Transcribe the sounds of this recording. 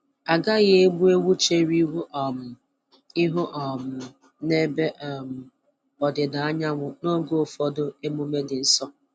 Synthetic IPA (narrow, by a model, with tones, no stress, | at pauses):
a˨ɡa˦ɣɪ˦e˦ɡ͡bu˦e˦wu˦t͡ʃe˦ɾi˦ɦu˦ʔɔ˨mʊ˨ | ɪ˦ɦʊ˦ʔɔ˨mʊ˨ | ne˦be˦ʔɔ˨m̩˨ | ɔ˨dɪ˨da˨a˦ɲa˦ŋʷʊ˦no˦ɡo˦˨fɔ˦dʊ˦e˦mu˦me˦dɪ˨n̩˦sɔ˦